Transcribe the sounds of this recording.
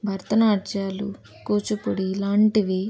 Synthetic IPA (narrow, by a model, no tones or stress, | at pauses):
bʱɐɾt̪ɐnaːt͡ʃaːlṵ | kuːt͡ʃupoɽiːlaːɳʈiʋi